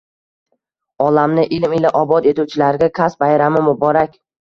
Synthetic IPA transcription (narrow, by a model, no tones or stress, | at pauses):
ɒlamnɪʔɪlmɪlɪʔɒbɒd̪e̞t̪ut͡ʃʰɪlaɾɡʲakʲʰasbajɾamɪmʊbɒɾakʲ